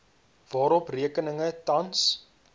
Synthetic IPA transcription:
vɑːɾɔpriəkənəŋətɐns

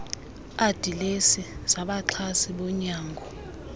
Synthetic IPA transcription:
ad̥ʱilesisaɓaǁʰasiɓɔɲaːŋɡʱɔ

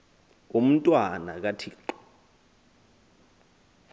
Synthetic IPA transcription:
um̩tʼwana̰k̬atʰiːǃɔ̥

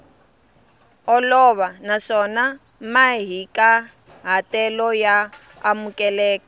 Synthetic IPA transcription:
ɔlɔβanaʂɔna | maɦika | ɦatɛlɔjaː | mukʼɛlɛːkɔ

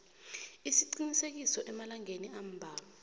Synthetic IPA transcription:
isiǀinisek̬isɔʔɛmalaŋeniam̩bʱaːla

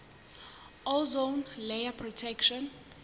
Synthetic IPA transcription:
ɔlzonlejapʰrɔtʰɛkʃɔn

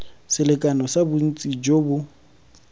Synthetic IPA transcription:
sɪlɪkʼanɔsabʊn̩t͡sʼid͡ʒobʊ

